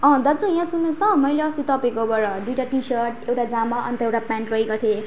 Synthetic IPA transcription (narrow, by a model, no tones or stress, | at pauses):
ʌ̃d̪at͡sʰũjãsunːũsʰt̪ʰʌmʌjleʌst̪it̪ʌpĩkobʌɾʌd̪ujʈaʈisʌɾʈewʈad͡zamaʔʌnt̪ʌewʈapãɳʈrʌikot̪ʰe